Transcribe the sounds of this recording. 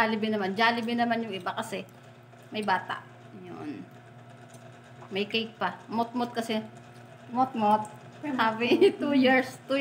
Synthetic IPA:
alɪbɪnɐmand͡ʒaːlɪbɪnɐmanjʊŋʔɪbakɐsɛ | mɐjbaːt̪a̰ʔ | jo̰n | mɐjkɐjk̚pɐmot̪̚mot̪̚kɐsɛ | mot̪̚mot̪̚ | havɪt̪ujiɹst̪u

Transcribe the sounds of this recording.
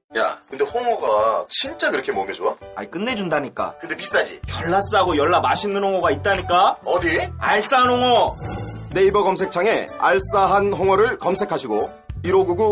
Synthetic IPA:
ja̰kɯnde̞hoŋʌɡat͡ɕʰint͡ɕ͈aɡiɾʌkʰe̞momjʌd͡ʑoaa̰ik͈ɯnːe̞d͡ʑundaɲik͈a̰kɯnde̞pis͈ad͡ʑḭjʌɭːas͈aɡojʌɭːamaɕʰinːɯnhoŋʌɡait̚t͈aɲik͈aʌdiaɭs͈aɦanhoŋʌ | ne̞ibʌɡʌmsʰe̞k̚t͡ɕʰaŋe̞a̰ɭs͈aɦanɦoŋʌɾɯɭkʌmsʰe̞kʰaɕʰiɡo | iɾoɡuɡu

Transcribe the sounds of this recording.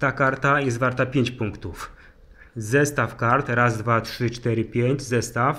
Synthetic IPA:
t̪akaɾt̪ajɛst̪vaɾt̪apʲjeɲt͡ɕpuŋkt̪uf | zɛst̪afkaɾt̪ɾazd̪vatʂɘt͡ʂt̪ɛɾɘpʲjeɲd͡ʑzɛst̪af

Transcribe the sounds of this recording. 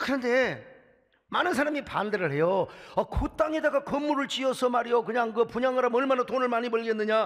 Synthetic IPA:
kɯɾʌnde̞ | manɯns̬ʰaɾamipa̰ndeɾɯɭɦe̞joʌkot͈aŋedaɡakɯmːuɾɯɭt͡ɕiʌsʰʌmaɾijokɯɲaŋkɯpuɲaŋɯɾamnʌɭmanatonɯɭmaɲipʌɭɡenːɯɲa

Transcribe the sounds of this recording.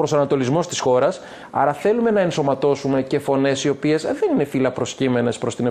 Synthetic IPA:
pɾosɐnɐt̪o̞lizmo̞st̪i̥sxo̞ɾɐs | ɐ̰ɾɐθe̞lume̞nɐenso̞mɐt̪o̞sume̞ce̞fo̞ne̞sio̞pie̞sðe̞nine̞filɐpɾo̞scime̞ne̞spɾo̞st̪ine

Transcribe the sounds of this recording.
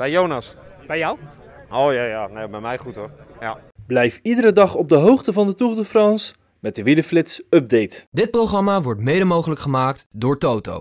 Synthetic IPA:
b̥ɛjjownasb̥ɛjaw | owjaːjaːnebɛjmɛjχutojablɛjfidəɾədɑχɔb̚dəɦowχtəvɑndətuχdəfrɑns | mɛt̚dəʋiləflɪtsɵb̚dejtdɪt̚proχrɑmaʋɔɹtmejdəmowχələkχəmaːktdʊːɹtowto̰w

